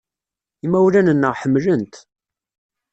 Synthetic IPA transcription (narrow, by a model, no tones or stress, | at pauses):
imæwlænənːəʁħəmːlənt̪